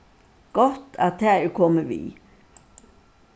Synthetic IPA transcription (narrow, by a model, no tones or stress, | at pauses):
ɡ̥ɔht̪a̰t̪ʰæːɛkʰɔməʋḭː